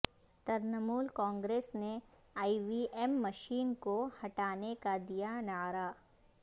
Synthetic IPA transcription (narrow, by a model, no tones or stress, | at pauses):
t̪ɐɾnəmuːlkɔ̃ːŋɡɾeːsne | aːiʋiʔɛːmːɐʃiːnkohɐʈaːnekad̪ijanaːɾaː